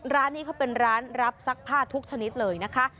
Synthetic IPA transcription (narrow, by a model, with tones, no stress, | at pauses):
ɾaː˦˥nːiː˦˥kʰa˥˩pe˧nɾaː˦˥nɾa˦˥p̚sa˦˥k̚pʰaː˥˩t̪ʰːu˦˥k̚t͡ɕʰa˧ni˦˥t̪̚lɤː˧jna˦˥kʰa˦˥ʔ